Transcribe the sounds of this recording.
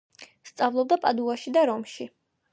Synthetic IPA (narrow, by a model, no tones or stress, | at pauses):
st̪sʼavlˠɔb̚d̪apʼad̪uaʃid̪aɾɔmʃi